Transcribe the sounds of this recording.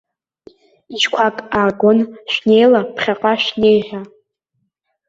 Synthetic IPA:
iʃkʷʰakʼaːɡʷonʃᶣne̞jlapʰχʲaqʼaʃnejʒʲa

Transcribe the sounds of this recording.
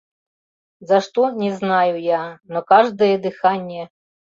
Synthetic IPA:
zɐʂt̪ɔnʲɛznɑjʊjanɔkɑʒd̪ɔjɛd̪ɪxɑnʲːɛ

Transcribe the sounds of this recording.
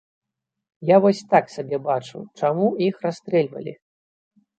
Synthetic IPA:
javɔsʲt̪aksabʲɛbat͡ʂṵt͡ʂamuixrast̪ɾɛlʲvɐ̰lʲḭ

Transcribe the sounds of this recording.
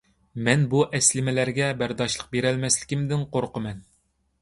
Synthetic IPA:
mɛnbuʔɛslɪmɪlæɾɡʲɛbæɾd̪ɑʃlˠəq̚beɾælmɛslɪ̥kʲɪmd̪ɪnqoɾqəmɛn

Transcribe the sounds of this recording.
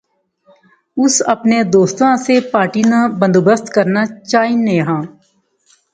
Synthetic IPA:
ʊsəpned̪oːst̪ãːsepaːɾʈiːnabə̃nd̪obəst̪kəɾnaːt͡ʃaːiːnːejɦãː

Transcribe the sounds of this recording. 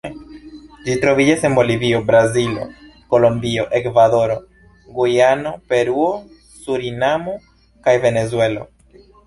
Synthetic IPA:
d͡ʒit̪ɾo̞vid͡ʒase̞nbo̞liviobɾazilo̞̰ko̞lo̞mbio̞ʔekvaðo̞ɾo | ɡojano̞pe̞ɾuo | suɾinamo | kajve̞nezwe̞lo̰

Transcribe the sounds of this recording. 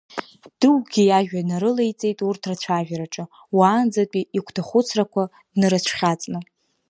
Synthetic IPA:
d̥ɨwɡʲijaʒᶣanaɾɨle̞jt͡sʼe̞jtʼurtʰrat͡ɕʷʰaʒᶣaɾaʈ͡ʂʼɨ | waːnd͡zapʼiikʷʰtʰaχʷʊt͡sʰrakʷʰa | nɨɾɨt͡ɕʷʰχʲat͡sʼnɨ

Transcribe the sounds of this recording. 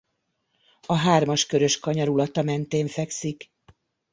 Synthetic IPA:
ɒɦaːrmɒʃkø̞ɾø̞ʃkɒɲɒɾulɒt̪ɒmɛnt̪eːɱfɛksik

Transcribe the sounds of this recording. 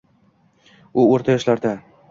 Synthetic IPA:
ʊoɾt̪ʰajɒʃlaɾd̪a

